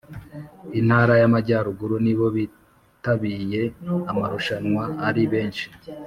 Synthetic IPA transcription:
in̥haːɾajamaɟaːɾuɡuɾuniβo̞βi | taβije̞amaɾuʃanŋwaːɾiβe̞ːnʃi̥

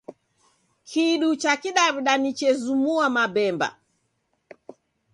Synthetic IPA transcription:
kʰiɗut͡ʃakiɗaβiɗanit͡ʃɛzumuamabɛmba̰

